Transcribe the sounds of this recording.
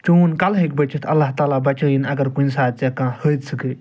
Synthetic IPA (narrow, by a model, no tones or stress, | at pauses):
t͡ʃunkɐlɦekbɐt͡ʃit̪ʰɐlːaːɦt̪aːlaːbɐt͡ʃəːjinɐɡɐɾkunsaːt͡ʃekãːhəːd̪sɨkɨ